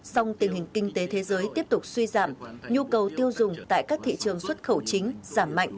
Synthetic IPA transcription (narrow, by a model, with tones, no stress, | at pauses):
sa˧wŋ͡mt̪i˨˩əŋhï˨˩ŋ̟ki˧ŋ̟t̪e˨˦t̪ʰe˨˦zəː˨˦jt̪i˦˥əp̚t̪ʊ˨˩k͡p̚swi˧zaː˧˩mɲu˧kə˨˩wt̪i˧əwzʊ˨˩ŋ͡mt̪a̰ː˧˨jkaː˦˥k̚t̪ʰḭ˧˨t͡ɕɨ˨˩əŋswə˦˥t̚xə˧˩wt͡ɕï˨˦ŋ̟z̥aː˧˩mːa̰˧˨jŋʔ